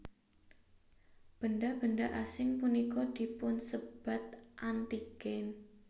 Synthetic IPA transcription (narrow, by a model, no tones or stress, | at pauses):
b̥əndab̥əndaʔasɪŋpunikɔd̪̥i̤pʊnsəb̥at̪̚ʔant̪iɡ̥ɛn